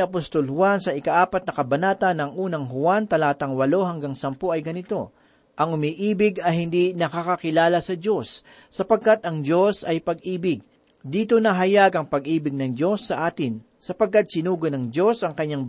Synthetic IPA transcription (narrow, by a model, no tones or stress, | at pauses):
ɐpost̪o̞lhʊwansɐʔɪkaʔaːpɐt̪̚nɐkɐbɐnaːt̪ɐnːɐŋʔuːnɐŋɦʊwant̪ɐlaːt̪ɐŋwɐlo̞ɦɐŋɡaŋsɐmpo̞ʔɐjɡɐnɪt̪o̞ | ʔɐŋʊmiʔiːbɪɡɐjhɪnd̪inɐkakɐkɪlaːlɐsɐd͡ʒo̞sː | ɐpɐɡ̚kat̪ɐŋd͡ʒo̞sɐjpɐɡ̚ʔiːbɪɡ̚ | d̪iːt̪o̞nɐɦɐjaɡɐŋpɐɡʔiːbɪɡ̚nɐŋd͡ʒo̞sːɐʔaːt̪ɪn | sɐpɐɡ̚kːat̪̚sɪnuːɡonɐŋd͡ʒo̞sʔɐŋkɐɲːaŋ